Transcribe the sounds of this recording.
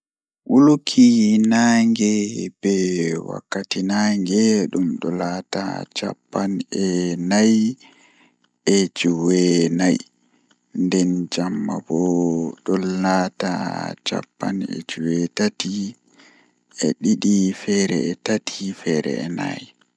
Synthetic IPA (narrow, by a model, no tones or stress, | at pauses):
ɓulukʰinaŋɡɛbɛwa̰kːatinaŋɡɛɗumɗɔlata̰t͡ʃa̰pːanɛnaj | ɛd͡ʒuwɛnaj | ndɛnd͡ʒamːa̰bɔɗɔlata̰t͡ʃa̰pːanɛ̰d͡ʒuwɛtati | ɛ̰ɗiɗifɛɾɛ̰ɛtatʰifɛɾɛ̰ɛna̰j